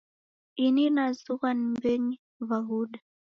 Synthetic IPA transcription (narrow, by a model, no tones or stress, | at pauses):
ininazuɣanmbɛɲi | vaɣuɗa